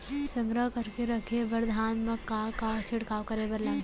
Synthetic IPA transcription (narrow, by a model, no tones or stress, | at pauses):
sɐ̃ŋɡɾəɦkɐɾkeɾɐkʰebɐɾd̪ʱaːnmɐkakaːt͡ʃʰɪɽkaːʋkɐɾebɐɾlaː